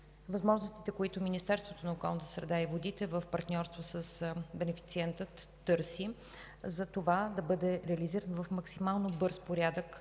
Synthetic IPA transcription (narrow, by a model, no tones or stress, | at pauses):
vɐzmɔʒnost̪it̪ɛkoit̪ominist̪ɛɾst̪vot̪onɐokɔ̰lˠnət̪ə̥sɾɛd̪aivod̪it̪ɛvəfpɐɾt̪nʲɔɾst̪vosəsbɛnɛfi̥t̪siɛnt̪ət̪ːɤɾsi | zɐt̪ovad̪ɐbɤd̪ɛɾɛɐliziɾənovəfmɐksimalˠnobɤɾspoɾʲjad̪ək